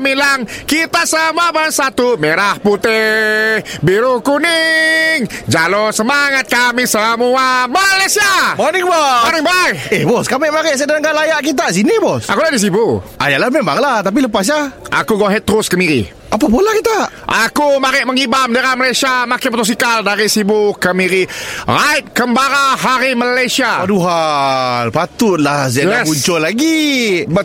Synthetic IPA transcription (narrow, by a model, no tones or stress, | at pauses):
milaŋkit̪asəmuabənsat̪umeɾahput̪ɪ | biɾukunɪŋd͡ʒalosəmaŋat̪̚kamisəmuamalasiamanɪŋbaanɪŋbajɛhbɔskamɪʔmaɾɪʔsədaŋɡalajaʔkit̪̬as̬inibɔsʔa̰kulahdis̬ibua̰jalahmɛmbaŋlaht̪ap̬iləpas̬jaʔa̰kuɡoɦɛt̪ːɾʊskəmiɾḭ | ʔapapolahkit̪aʔʔakumaɾɪʔməŋibamdəɾaməlajsiamakɪnpot̪ɔs̬ikaldaɾisibukəmiɾirajt̪̚kəmbaɾaɦaɾiməlajsiaaduɦalpat̪ut̪lahsaauɲt͡ʃɔlaɡi